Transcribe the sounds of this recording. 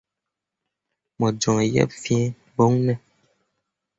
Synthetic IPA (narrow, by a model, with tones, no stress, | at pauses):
mɔ˨d͡ʒɔ˨ŋɛ˨jɛ̰˦p̚fjɛ̃˦ | bo˦ŋnɛ˦˨